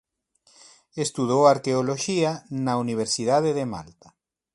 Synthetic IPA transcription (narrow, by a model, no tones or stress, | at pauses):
est̪uð̞owaɾkeoloʃianauniβ̞eɾsiðað̞eðema̰lt̪ḁ